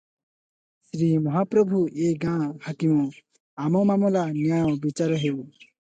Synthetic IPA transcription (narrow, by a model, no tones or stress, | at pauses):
ʃɾimɔɦapɾɔbʱuʔeɡãhakimɔ | amɔmamɔlanjaɔ̃bit͡ʃaɾɔɦew